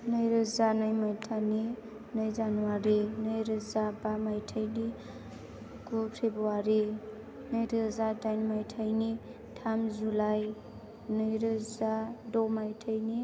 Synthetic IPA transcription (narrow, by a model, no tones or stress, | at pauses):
nɯjɾɯzanajmajtʰani | nɯjzanuwaɾenɯjɾɯzabamajtʰajni | ɡ̥utʰebɔwaɾe | nɯjɾɯzadajnmajtʰajni | tʰamzulaj | nɯjɾɯzadɔmajtʰajni